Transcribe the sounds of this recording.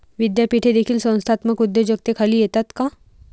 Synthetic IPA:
ʋɪd̪japiːʈʰed̪eːkʰilsə̃wnst̪ʰaːt̪məkʊd̪ːed͡ʒɐk̚t̪ekʰɐliet̪at̪ka

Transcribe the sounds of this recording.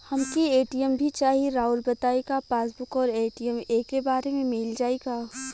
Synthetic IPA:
hɐmkieːʈijəmbʱit͡ʃaːɦiɾaːʊlbɐt̪aːeɡapaːsbʊkɔːɾeːʈijəmeːkːebaːɾemẽmɪld͡ʒaːeɡaː

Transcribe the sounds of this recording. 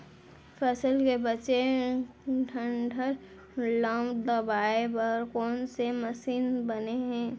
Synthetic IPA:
fʰəsəlkebət͡ʃe | ʈʰə̃ɳɖʱəɾ | lãːmbd̪ɐbaːepəɾkɔːnseməsiːnbəneɦɛ̃ː

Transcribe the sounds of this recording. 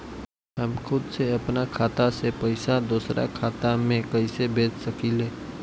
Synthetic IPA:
ɦəmkʰʊd̪seɐpnakʰaːt̪asepəɪsad̪uːsɾʔa̰kʰaːt̪amẽkəɪsebeːt͡ʃsəkileː

